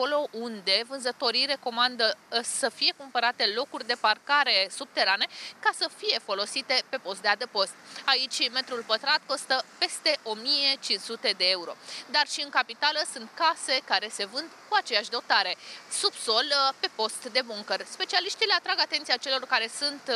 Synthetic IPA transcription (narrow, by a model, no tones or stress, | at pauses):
ako̞lo̞ʔund̪e̞vɨnzət̪o̞ɾijre̞ko̞mand̪əsəfije̞kumpəɾat̪e̞lo̞kurʲd̪e̞parkaɾe̞sub̚t̪e̞ɾane̞kasəfije̞fo̞lo̞sit̪e̞pe̞po̞st̪d̪ead̪epo̞st̪̚ait͡ʃʲme̞t̪ɾulpət̪ɾat̪̚ko̞st̪əpe̞st̪e̞ʔo̞mije̞t͡ʃinsut̪e̞d̪e̞e̞uɾo̞̰d̪arʃiɨŋkapit̪aləsunt̪kase̞kaɾe̞se̞vɨnd̪kuat͡ʃe̞jaʃd̪o̞t̪aɾe̞subso̞lpe̞po̞st̪d̪e̞buŋkərspe̞t͡ʃialiʃt̪ileat̪ɾaɡat̪ent̪sijat͡ʃe̞lo̞rkaɾe̞sunt̪